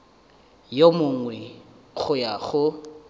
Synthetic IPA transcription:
jomʊŋwɛ | ɣʊjaχʊ

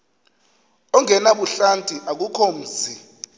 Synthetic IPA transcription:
ɔŋʱɛnaɓuɬantʼiʔak̬ukʰom̩ːzi

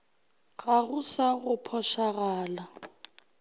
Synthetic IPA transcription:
ɣʼaɣusaɣʊpʰɔʃaɣaːla

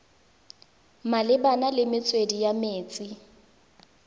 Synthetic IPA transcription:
malɪbanalɪmɪt͡sʼwedijameːt͡sʼi

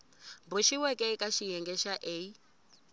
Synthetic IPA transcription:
mbuʃiwɛkʼɛkʼaʃijɛŋɡɛʃaʔeːi

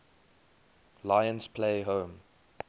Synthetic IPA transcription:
laɪə̃nspʰleɪɦõʊm

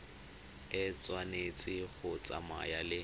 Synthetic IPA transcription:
ɪt͡sʼwanet͡sʼɪɣʊt͡sʼa̰ma̰jalɪ

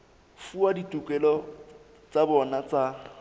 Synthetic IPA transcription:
fuaditʼukʼɛlɔ | t͡sʼabɔnat͡sʼa

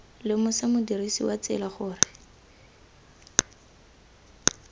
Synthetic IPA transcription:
lɪmʊsamʊdirisḭwat͡sɪ̰laχʊːrɪ

